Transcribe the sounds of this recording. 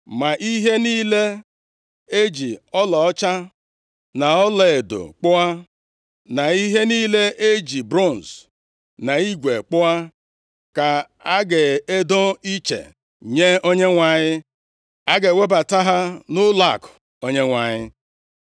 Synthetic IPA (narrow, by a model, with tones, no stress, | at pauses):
ma˨ʔi˦ɦe˦niː˦le˦ | e˦d͡ʒi˨ɔ˦lɔ˨ɔ˦t͡ʃa˦ | na˨ɔ˦le˨e˨do̰˨k͡pʊ˦a˦ | na˨i˦ɦe˦niː˦le˦ʔe˦d͡ʒi˨bɾɔ˦˨n̩˨s | na˨i˦ɡʷe˨k͡pʊ˦a˦ | ka˨ | a˦ɡe˨e˦do˦i˦t͡ʃḛ˨ | ɲe˦o˦ɲe˦ŋʷa˨ɲɪ˦ | a˦ɡe˨we˦ba˨ta˦ɦa˦nʊ˦la˦˨k | o˦ɲe˦ŋʷa˨ɲɪ˦